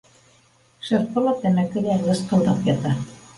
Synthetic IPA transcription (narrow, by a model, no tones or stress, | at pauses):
ʃɤ̆ɾqɤ̆lˠɑt̪æmækɘ̆lælɤ̆sqɤ̆lˠd̪ɑpjɑt̪ɑ